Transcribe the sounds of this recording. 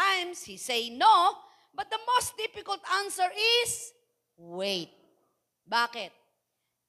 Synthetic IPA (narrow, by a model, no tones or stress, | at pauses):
ãjmshisejno | bɐt̪̚d̪ɐmost̪̚d̪ɪfɪkɐlt̪ãnsəɹɪs | wejt̪̚ | baːkɪt̪̚